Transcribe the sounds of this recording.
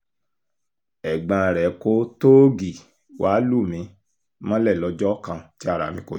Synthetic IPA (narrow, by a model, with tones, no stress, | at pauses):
ɛ˨ɡ͡bã˧˨ɾɛ˨ko˦to˦ɡi˨ | wʔa˨˦lu˦˨mĩ˨˧˦ | mã˦lɛ˦˨lɔ˧˦d͡ʒɔ˦kã˧ti˦a˦˨ɾa̰˨mĩ˧ko˨